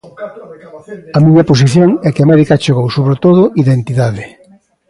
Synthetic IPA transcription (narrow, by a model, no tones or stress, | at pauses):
ɐmiɲɐpos̬iθjoŋɛkɪamɛðikat͡ʃoɣowsoβɾet̪oðʊʔiðent̪iðaðɪ